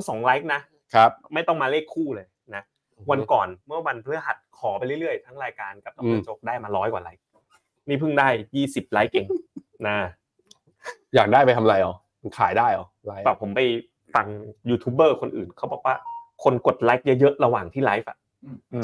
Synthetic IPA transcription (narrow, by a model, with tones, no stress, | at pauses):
sɔː˩˦ŋla˦˥jk̚na˦˥ | kʰa˦˥p̚ma˥˩jt̪ɔ˥˩ŋmaː˧leː˥˩kʰːuː˥˩lɤː˧j | na˦˥ | wa˧nkɔː˨˩nmɯ˥˩ɐwa˧npʰlɯ˦˥əɦa˨˩t̪̚kʰɔː˩˦pa˧jlɯ˥˩ɾɯ˥˩əjt̪ʰa˦˥ŋɾaː˧jkaː˧nka˨˩pt̪ɔ˨˦a˧˩˦t͡ɕo˦˥˩k̚daː˥˩jmaː˧lɔː˦˥jkwaː˨˩laː˦˥jk̚ | niː˥˩pʰɯ˥˩ŋdaː˥˩jjiː˥˩si˨˩p̚laː˦˥jkːe˧ŋ | naː˧˩ | jaː˨˩k̚daː˥˩pa˧jt̪ʰa˧mla˧jʔɔ˨˩˧nkʰaː˩˦jdaː˥˩jʔɔ̰˨˩la˦pa˨˩pʰːo˩˦mpa˧j | fa˧ŋjuː˧t̪ʰuː˦˥p̚bɤː˥˩kʰo˧nʔɯ̰ː˨˩nkʰa˦˥bɔː˨˩k̚waː˥˩kʰo˧nko˨˩t̪̚laː˦˥jk̚jɤ˦˥jɤ˦˥ʔɾa˧waː˨˩ŋt̪ʰiː˥˩la˦˥jfʔa˨˩ʔ